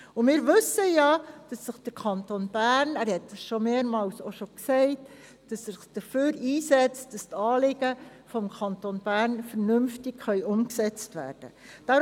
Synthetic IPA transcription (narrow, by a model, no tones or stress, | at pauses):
ʊmɪːɾʋɵsəjɑd̥ɑsːəχd̥əɾkʰɑntonb̥æːɾnæːɾhɛt̚dɑsʃomeːɾmɑːlsoʃoksɛɪt | d̥ɑsːəχd̥əføːɾiːsɛt͡st̚d̥ɑstɑːlɪɡə | fɔmkʰɑntonb̥æːɾnfəɾnʏmftɪkχœʏʔʊmksɛt͡stʋæ̰ːrd̥ə | d̥ɑː